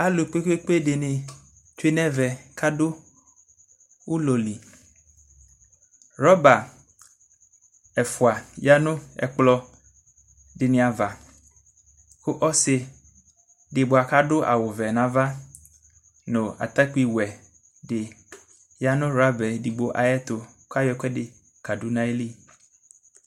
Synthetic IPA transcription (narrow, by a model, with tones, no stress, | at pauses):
a˦lʊ˨k͡pe˦ke˦k͡pe˦dɪ˨nɪ̃˨ | t͡ʃe˦nɛ̃˦vɛ˨kʰa˦dʊ˦ | wʊ˦loɔ˨li˨ | ɾɔ˦ba˨ | ɛ˨fʊ˨a˨ja˦nʊ̃˦ɛ̰˨k͡plɔ˦ | dɪ˨nɪ̃˨a˨va˨ | kʊ˦ʔɔ˦sɪ˦ | dɪ˨bo˨a˨ka˦ɖʊ˦ʔa̰˨wʊ˨vɛ˨nã˦va˦ | nõ˨a̰˨t̪a˦k͡pi˨wɛ˨ | dɪ˨ | ja˦nʊ̃˦ɾa˦bɛ˨di˨bo˨ʔa̰˨jɛ˦t̪ʊ˨ | ka˦jɔ˨˦kʷɛ˦dɪ˨ | ka˨du˦nã˦e˦li˦